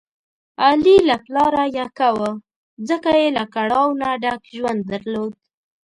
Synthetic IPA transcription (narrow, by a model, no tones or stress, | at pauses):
alilaplɑɾajakawə | d͡zəkajelakaɽɑwnaɖakʒwand̪̚ːaɾlod̪̚